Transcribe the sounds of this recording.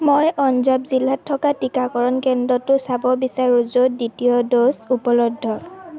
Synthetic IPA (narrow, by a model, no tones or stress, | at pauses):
mojɔnzabzilːatʰːɔkatikakɔɹɔnkɛndɔtʊsabɔbisaɹuzoditijɔdosupɔlɔdʱːɔ